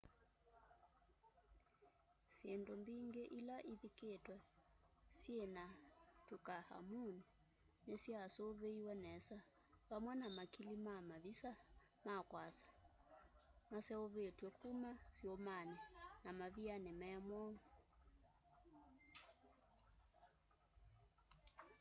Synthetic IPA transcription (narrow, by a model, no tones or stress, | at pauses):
siɛndɔmbiŋɡɛʔilaʔiðiketwɛ | siɛnatukaha̰muni | nɛsiasoːβeiwɛnɛsa | βamwɛnamakilimamaβisa | makwasḁ | masɛɔβetwɛkʰumasiɔmanɛnamaβianɛmɛamwɔŋ